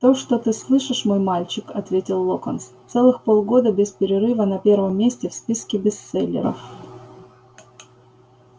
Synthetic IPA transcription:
t̪oʂt̪ot̪ɨslˠɨʂɨʂmo̞jmalʲt͡ɕɪkɐt̪vʲetʲɪlˠːokənst̪sɛlˠɨxpolˠɡo̞d̪əbʲɪspʲɪɾʲɪɾɨvənɐpʲe̞ɾvəmʲːesʲtʲɪfspʲiskʲɪbʲɪst̪sɛlʲːɪ̰ɾə̰f

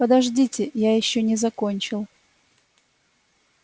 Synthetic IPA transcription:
pəd̪ɐʐdʲitʲɪjajɪɕːonʲɪzɐkonʲt͡ɕɪlˠ

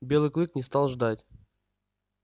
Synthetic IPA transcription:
bʲe̞lˠɨjklˠɨknʲɪst̪ɑlˠʐd̪atʲ

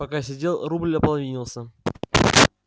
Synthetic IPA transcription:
ɐkasʲɪdʲe̞lˠrublʲəpəlˠɐvʲinʲɪlˠsʲə

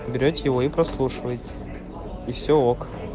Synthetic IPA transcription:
bʲɪɾʲotʲɪjɪvoipɾɐslˠuʂɨvəjɪt̪ʲɪ̥ | ifsʲook

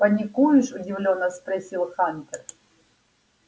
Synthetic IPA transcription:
pɐnʲikujuʂʊdʲɪvlʲonːɐspɾɐsʲilˠxanʲt̪ʲɛr

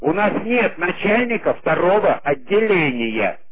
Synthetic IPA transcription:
ʊnasnʲe̞t̪̚nɐt͡ɕælʲnʲɪkəft̪ɐɾo̞vəʔɐdʲːɪlʲenʲɪjə̰

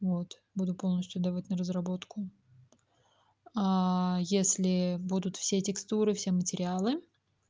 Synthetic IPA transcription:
vo̞t̪ | bud̪ʊpo̞lˠnəsʲt̪ʲjʊd̪ɐvatʲnəɾəzrɐbo̞t̪kʊ | ajesʲlʲɪbud̪ʊt̪fsʲetʲɪkst̪uɾɨfsʲe̞mətʲɪɾʲɪalˠɨ

